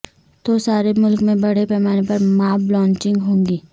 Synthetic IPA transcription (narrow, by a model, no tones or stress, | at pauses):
t̪osaːɾemʊlkmẽbɐɽ̤epɛːmaːnepɐɾmaːblɔ̃ːɲt͡ʃɪ̃ŋɡɦõːŋɡiː